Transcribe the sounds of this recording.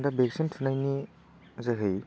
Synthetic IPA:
dɐbeksintʰunajni | zeɦɯj

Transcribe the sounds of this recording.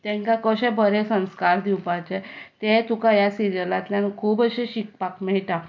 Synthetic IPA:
t̪ɛ̃ŋkãkəɕɛ̃bəɾesə̃ñskaɾd̪iwpat͡ɕɛt̪ẽt̪ukajasiɾijəlat̪ljankʰuːbəɕẽɕik̚pakmɛɭʈ̪a

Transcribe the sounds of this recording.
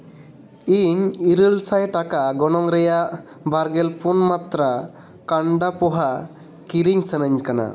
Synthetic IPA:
iɲiɾəlsajʈakaɡɔnɔŋɾɛjaʔ | baɾɡɛlpunmat̪ɾa | kaɳɖapɔɦa | kiɾiɲsənəɲkana̰

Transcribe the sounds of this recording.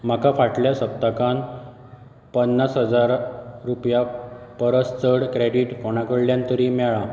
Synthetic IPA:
m̤akafaʈljasəp̚t̪akan | pənːasɦəd͡zaɾɾupjapəɾəst͡səɽkɾeɽiʈfoɳ̃akəɽljãnt̪əɾiːmɛɭa

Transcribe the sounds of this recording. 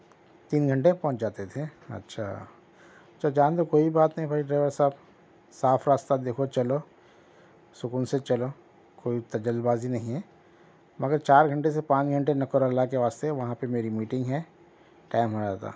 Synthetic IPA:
t̪iːnɡʱɐ̃ɳʈepɔ̃ːt͡ʃd͡ʒaːt̪et̪ʰeɐ̰tːʃʰa̰ː | tːt͡ʃʰad͡ʒãːnd̪okoːibaːt̪nɐɦĩbʱaiɖɾaːɪʋəɾsab | saːfɾaːst̪ad̪eːkʰot͡ʃɐlo | sʊkuːnset͡ʃɐlo | koːit̪ɐd͡ʒəlbaːzinɐɦĩɦɛ | mɐɡəɾt͡ʃaːɾɡʱɐ̃ɳʈes̬epãːt͡ʃɡʱɐ̃ɳʈenɐkəɾəlːakeʋaːst̪eʋɐɦãpemeːɾimiːʈɪ̃ŋɡɦɛ | ʈaːɪmɦɐaːt̪a̰ː

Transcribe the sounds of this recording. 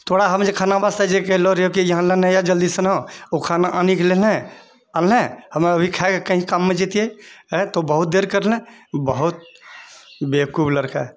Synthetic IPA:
t̪ʰoɽaɦəmd͡ʒekʰaːnabast̪ad͡ʒekɛɦloɾeokijəɦãlənɛ̃jad͡ʒəld̪isənɦõokʰanaʔanikelelẽ | alẽhəmeəbʱikʰaekekəɦĩkamːẽd͡ʒit̪ieɛt̪obəɦut̪̚d̪eɾkəɾlẽbəɦut̪̚ | bekubləɾka

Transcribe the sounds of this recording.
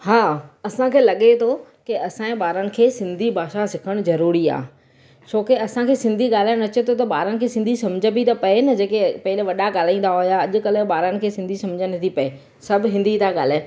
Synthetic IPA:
haːɐsãkʰeːlɐɠet̪ʰokɪɐsãẽɓaːɾənɪ̆kʰeːsɪ̃nd̪ʱibʱaːʃasɪkʰəɽ̃zɐɾuːɾia̰ː | t͡ɕʰoːkɪɐsãkʰeːsɪ̃nd̪ʱiɠaːl̤aɪɽ̃ɐt͡ɕet̪ʰot̪̬ɐɓaːɾənɪ̆kʰeːsɪ̃nd̪ʱisɐmd͡ʑəbʱit̪ɐpɐenɐd͡ʑeːkepɐɦɪlʋɐɗaɠaːl̤aĩːnd̪aɦʊjaɐʄʊ̆kɐlɪ̆ɓaːɾənɪ̆kʰeːsɪ̃nd̪ʱisɐ̃md͡ʑənɐt̪ʰipɐe | sɐbʱɦɪ̃nd̪ʱit̪ʰaɠaːl̤aːɪ

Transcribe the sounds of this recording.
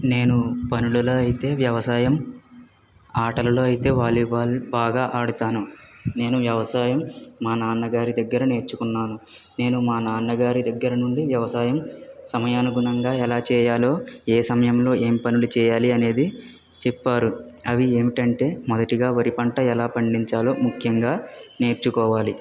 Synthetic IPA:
ne̞ːnupɐnululo̞ːɐjit̪e̞ːʋjɐʋɐsaːjɐm | aːʈɐlɐlo̞ːɐjit̪e̞ːʋaːɭːiabaːɡaːʔaːɽut̪aːnune̞ːnuʋjɐʋɐsaːjɐmːaːnaːnːɐɡaːɾid̪ɐɡːɐɾɐne̞ːɾt͡ʃːukunːaːnu | ne̞ːnumaːnaːnːɐɡaːɾid̪ɐɡːɐɾɐnuɳɖiʋjɐʋɐsaːjɐmsɐmɐjaːnɐɡunɐŋɡaːɛlaːt͡ʃɛːjaːlo̞ːeːsɐmɐjɐmlo̞ːʔeːmipɐnulut͡ʃɛːjaːliɐne̞ːd̪i | t͡ʃɛpːaːɾuɐʋie̞ːmiʈɐɳʈe̞ːmɔd̪ɐʈiɡaːʋɐɾipɐɳʈɐɛlaːpɐɳɖiɲt͡ʃaːlo̞ːmukʰjɐŋɡaːne̞ːɾt͡ʃukɔːʋaːli

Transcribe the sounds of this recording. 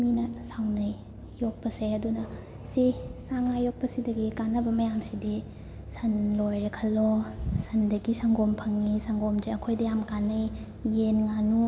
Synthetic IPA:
minɐsawnɐj | jok̚pɐseɐdunɐ | sisaŋajok̚pɐsidɐɡikanːɐbɐmɐjamsidi | sɐnlojɾekʰɐlːosɐndɐɡisaŋɡompʰɐŋnisaŋɡomd͡ʒeɐkʰojdɐjamkanːɐjː | enŋanu

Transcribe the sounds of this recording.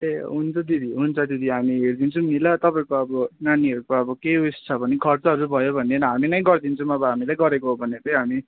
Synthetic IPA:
eɦunt͡sʰʌd̪id̪ʱiɦunt͡sʰʌd̪id̪iɦamiɦerd̪int͡sʰʌmilʌt̪ʌpaĩkoʌbʌnaniʌɾukoʌbʌkeust͡sʰʌbʌnikʰʌrt͡sʌɦʌɾubʱʌjobʱʌnːenʌɦaminʌj̃ɡʌrd̪int͡sʰʌ̃mʌbʌɦamilajɡʌɾekoɦobʱʌnːet̪ʌjɦami

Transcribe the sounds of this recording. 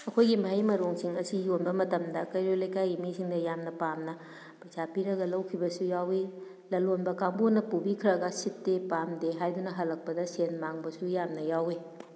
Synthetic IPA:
ɐkʰojɡimaɦajmɐɾoŋsiŋɐsijonbɐmɐtɐmdɐkɐjɾolɐjkajimisʰiŋdɐjamnɐpamnɐ | pɐjsapiɾɐɡɐlɐwkʰibɐsujawi | lɐlonbɐkaŋbonːɐpubikʰɾɐɡɐsitːepamdeɦajdunɐɦɐlɐk̚pɐdɐsenmaŋbɐsujamnɐjawe

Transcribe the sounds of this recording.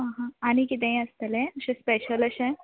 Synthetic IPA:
ɦãɦãaɽ̃ikit̪̬ẽĩəst̪əlẽəɕẽspeɕələɕẽ

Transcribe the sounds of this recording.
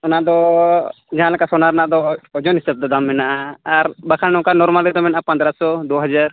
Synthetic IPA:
ɔnad̪ɔ | d͡ʒaɦãlɛkasɔnaɾnad̪ɔːd͡ʒɔnɦisɛb̚d̪ɔd̪amːɛnaʔaaɾbakʰanɔ̃kanɔɾmalid̪ɔmɛnaʔapand̪ɾasɔd̪uɦad͡ʒaɾ

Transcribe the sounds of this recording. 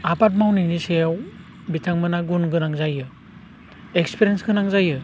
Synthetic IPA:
apat̚mawninisejaw | bitʰaŋmɯnaɡunɡɯnaŋzajɯ | ekspʰiɾijensɡɯnaŋzajɯ

